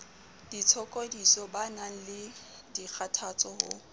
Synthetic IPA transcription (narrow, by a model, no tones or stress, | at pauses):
d̥it͡sʰɔkʼodisɔbanaŋ̩lɪdik͡xʰatʰat͡sʼɔhʊ̰